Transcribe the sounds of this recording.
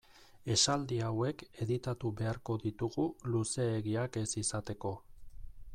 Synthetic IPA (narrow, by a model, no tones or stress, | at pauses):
e̞sald̪iawe̞ke̞ðit̪at̪uβe̞aɾko̞ðit̪uɣuluse̞ːɣiake̞sisat̪e̞ko̞